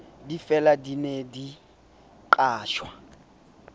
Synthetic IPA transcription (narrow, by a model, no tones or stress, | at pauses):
difɛladinedi | ǃʼaːʃwa